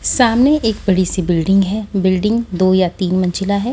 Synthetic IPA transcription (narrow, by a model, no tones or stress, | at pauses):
saːmneʔeːkbɐɽisibɪlɖɪ̃ŋɡɦɛːbɪlɖɪ̃ŋɡd̪oːjat̪iːnmɐ̃nt͡ʃɪlaɦɛː